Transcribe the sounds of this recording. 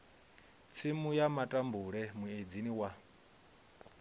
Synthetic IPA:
t͡sʰimujamatʼambuɺɛmued͡ziniwa

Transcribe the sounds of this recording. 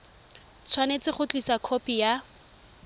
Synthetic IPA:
t͡sʰwanet͡sɪχʊt͡ɬʼisakʰopija

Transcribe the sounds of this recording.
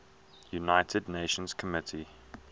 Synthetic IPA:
junaɪtʰədⁿneɪʃə̃nz̥kʰəmɪtʰi

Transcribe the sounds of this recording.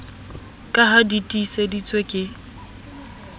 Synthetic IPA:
kʼaɦaditʼisedit͡sʼwekʼɪ

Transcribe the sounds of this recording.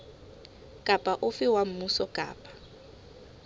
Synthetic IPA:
kʼapʼaʔʊfɪwam̩musɔkʼa̰ːpʼḁ

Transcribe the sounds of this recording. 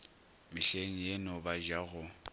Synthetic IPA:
mɪɬeŋ̩jenɔbaʒaɣʊ

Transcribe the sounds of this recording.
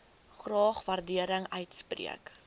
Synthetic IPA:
χrɑːχvɐrdiəɾəŋœɥtsprḭək

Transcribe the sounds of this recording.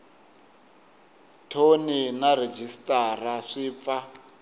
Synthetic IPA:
tʰoninared͡ʒistʼaraʂiːp̪fa

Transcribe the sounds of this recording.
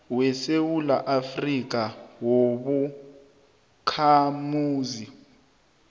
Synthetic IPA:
wɛsewulaʔafrik̬ʼawoɓu | kʰamuːzi

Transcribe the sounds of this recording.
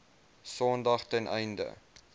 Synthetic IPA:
sɔndɐχtɛnʔɛ̰jndə̰

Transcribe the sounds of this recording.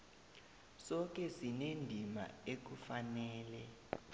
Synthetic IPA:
sɔk̬ʼɛsinendʱima̰ek̬ufanɛːlɛ

